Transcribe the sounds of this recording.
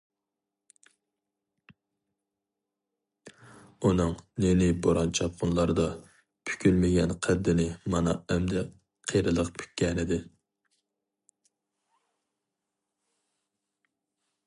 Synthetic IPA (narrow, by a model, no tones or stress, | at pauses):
unɨŋnenɪboɾɑnt͡ʃʰɑp̪̚qʰʊnlˠɑɾd̪ɑ | pʰy̥kʲʰylmɪɡʲɛnqʰæd̪ːɪnɪmɑnɑ̰ɛmd̪ɛ | qʰejɾɨlˠəqpʰy̥kʲʰːɛnɪd̪ɪ